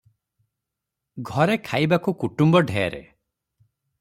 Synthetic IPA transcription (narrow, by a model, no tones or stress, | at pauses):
ɡʱɔɾekʰajbakukuʈumbɔɖʱeḛɾḛ